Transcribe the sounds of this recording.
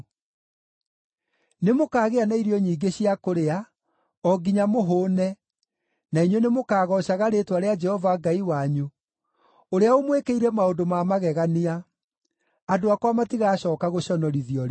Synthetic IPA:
nemokaːɣeanaiɾiɔɲiːɡeɕiakoɾea | ɔɡiɲamoɦoːnɛ | naiɲwenemokaːɣɔɕaɣaɾetwaɾead͡ʒɛhɔvaɡaiwaɲu | oɾeaomwekeiɾɛmaondomamaɣɛɣania | adoakwamatiɣaːɕɔːkaɣoɕɔnɔɾiðiɔɾe

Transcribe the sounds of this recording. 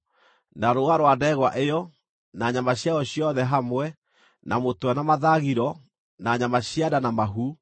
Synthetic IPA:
naɾoaɾwadɛɣwaʔejɔ | naɲamaɕjaɔɕjɔðɛɦamwɛ | nʔa̰motwɛnamaðaɣiɾɔ | naɲamaɕiadanamaɦu

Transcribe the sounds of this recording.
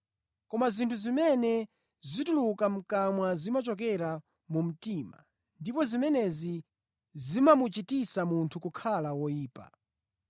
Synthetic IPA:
kɔmazintʰuzimɛnɛ | zitulukam̩kamwazimat͡ʃɔk̬ɛɾa | mum̩tiːma̰ | ndipɔzimɛnɛzi | zimamut͡ʃitisamuntʰukukʰalawɔjiːpa̰

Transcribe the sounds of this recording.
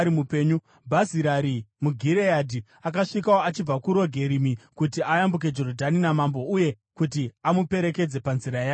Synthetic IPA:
ɾimupeːɲu | bʱaziɾaɾimuɡʱiɾejadʱi | ak̬aʂikawoat͡ʃib͡vakuɾo̞ɡʱe̞ɾimikutiajambuk̬e̞d͡ʒo̞rodʱaninamambo̞uje̞ | kut̬iamupe̞ɾe̞ke̞d͡ze̞panziɾajaː

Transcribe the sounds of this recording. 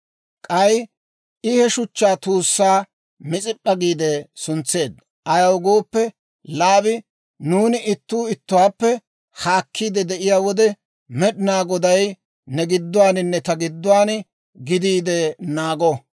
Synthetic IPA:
kʼɐj | ɪhɛʃʊt͡ʃːaːt̪uːsːaː | mɪt͡sʼɪpʼːɐɡiːd̪ɛsʊnt͡sːe̞ːd̪ | ʔɐjɐwɡoːpːɛ | laːbɪ | nuːnɪʔɪt̪ːuːɪt̪ːʊwaːpːɛ | haːkʰːiːd̪ɛd̪ɛʔɪjaːwɔd̪ɛ | mɛɗnaːɡɔd̪ɐj | nɛɡɪd̪ːʊwaːnɪnːɛt̪ɐɡɪd̪ːʊwaːn | ɡɪd̪iːd̪ɛnaːɡɔ

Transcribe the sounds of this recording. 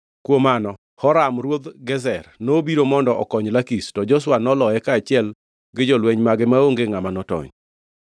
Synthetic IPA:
kwomanɔ | hɔɾamrwod̪ɡɛzɛrnobiɾomɔndɔʔɔkɔɲlakistɔd͡ʒɔs̬wanɔlɔɛkaːt͡ʃɪɛl | ɡɪd͡ʒɔlwɛɲmaɡɪmaoŋɡeŋamanɔtɔ̰ɲ

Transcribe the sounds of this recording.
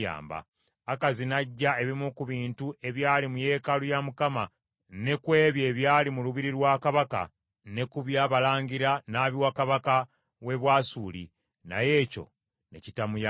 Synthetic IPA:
a̰ːmba̰ː | kazinaɟːae̞βimukuβiːntue̞βjaːlimuje̞ːkalujamukama | ne̞kwe̞ːβje̞ːβjaːlimuluβiɾiɾwaːkaβaka̰ | ne̞kuβjaːβalaːɲɡiɾanaːβiwakaβaka | we̞βwaːsuːlḭ | na̰je̞ːco̞̰ | ne̞citamuja

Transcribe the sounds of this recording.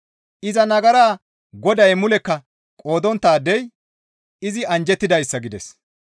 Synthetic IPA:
ʔɪzɐnɐɡɐɾaː | ɡɔd̪ɐjmʊlɛkːɐ | kʼo̞ːd̪ɔnt̪ːaːd̪ɛj | ɪzɪɐnd͡ʒɛt̪ːɪd̪ɐjsːɐɡɪd̪ɛs

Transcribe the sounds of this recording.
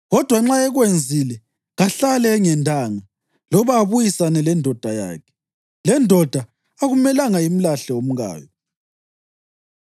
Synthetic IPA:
ɣɔd̥ʱwaŋ͡ǁaɛɣwend͡zʱilɛ | ɣaɬalɛŋɛndʱʼaŋa | lɔβaːβujisanɛlɛndʱɔd̥ʱaja̰ːkʰɛ̥ | lɛndʱɔd̥ʱa | aɣumɛlaŋaim̩laɬɛom̩ɣa̰ːjɔ

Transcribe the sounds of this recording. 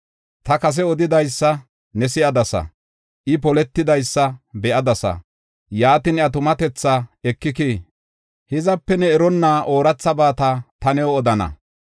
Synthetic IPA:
t̪ɐkɐs̬ɛɔd̪ɪd̪ɐjsːɐ | nɛsɪʔɐd̪ɐsɐ̰ | ʔɪp̬ɔlɛt̪ːɪd̪ɐjsːɐbɛʔɐd̪ɐsɐ̰ | jaːt̪ɪnɐt̪ʊmɐt̪ɛt͡sːɐɛkːɪkiː | hɪzɐpːɛnɛɛɾɔnːaːʔo̞ːɾɐt͡sːɐbaːt̪ɐt̪ɐnɛwɔd̪ɐnɐ̰

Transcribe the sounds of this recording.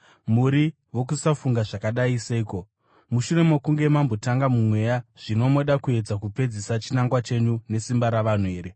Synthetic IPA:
muɾi | wo̞k̬usafuŋɡaʐakaɗaiseiːko̞ | muʃure̞mokuŋɡe̞mambo̞taŋɡamumwe̞jaʐ̥ino̞mo̞ɗakue̞d͡zakupe̞d͡zisat͡ʃinaŋɡwat͡ʃe̞ɲune̞simbaɾaʋan̤ue̞ːɾe̞

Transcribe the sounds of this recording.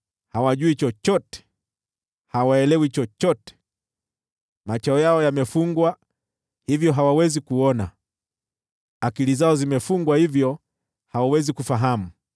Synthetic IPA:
hawaʄuit͡ʃɔt͡ʃɔtɛ̥ | hawaɛlɛwit͡ʃɔt͡ʃɔtɛ̥ | mat͡ʃaɔjaɔjamɛfuŋɡwa | hivjɔɦawawɛzikuɔna | akilizaɔzimɛfuŋɡwahivjɔ | hawawɛzikufaɦamu

